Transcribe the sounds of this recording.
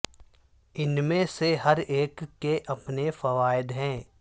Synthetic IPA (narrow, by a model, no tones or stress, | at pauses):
ɪnmẽseɦɐɾeːkːeʔɐpnefəʋaːɪd̪ɦɛ̃ː